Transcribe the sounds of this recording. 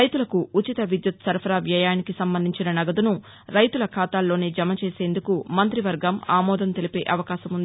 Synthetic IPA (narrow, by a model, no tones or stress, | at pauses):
ɐjt̪ulɐkuːt͡ʃit̪ɐʋid̪jut̪sɐɾpʰɐɾaːʋjaːjaːnikisɐmbɐnd̪ʱiɲt͡ʃinɐnɐɡɐd̪unu | ɾɐjt̪ulɐkʰaːt̪aːlːo̞ːneːd͡ʒɐmɐt͡ʃeːse̞ːnd̪ukumɐnt̪ɾiʋɐɾɡɐmaːmɔːd̪ɐnt̪e̞lipe̞ːʔɐʋɐkaːʃɐmund̪i